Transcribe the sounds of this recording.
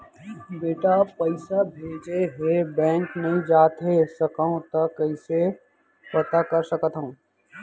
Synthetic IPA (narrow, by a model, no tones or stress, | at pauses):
beːʈapɐɪsabʱeːd͡ʒeɦebɛ̃ːŋkneɦĩd͡ʒaːt̪ɦesɐkəõt̪ɐkːəɪse | pɐt̪akɐɾsɐkət̪ɦõː